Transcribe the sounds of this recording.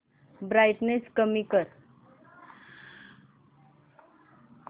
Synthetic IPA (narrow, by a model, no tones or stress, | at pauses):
bɾajʈnet͡skəmikəɾ